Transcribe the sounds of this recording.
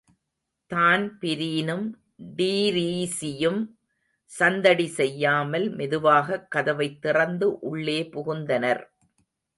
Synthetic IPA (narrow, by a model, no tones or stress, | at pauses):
t̪aːnpɪɾiːnɯm | ɖiːɾiːsɪjɯm | sɐnd̪ɐɽisɛjːaːmɐlmɛðɯʋaːɣɐkːɐðɐʋɐɪt̪ːɪrɐnd̪ɯʔʊɭːeːpʊɣʊnd̪ɐnɐɾ